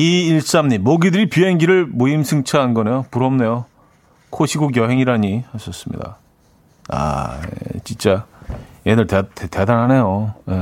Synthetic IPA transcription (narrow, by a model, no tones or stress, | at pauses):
iiɭs͈amɲimoɡidɯɾipjuɦeŋɡiɾɯɭmuimsʰɯŋt͡ɕʰaɦanɡʌne̞jopuɾʌmne̞jo | kʰoɕʰiɡoɡ̬jʌɦeŋiɾaɲihaɕʰʌs͈ɯmɲḭda̰ | a̰ | t͡ɕint͡ɕ͈ajenɯɭtetetedanɦane̞joje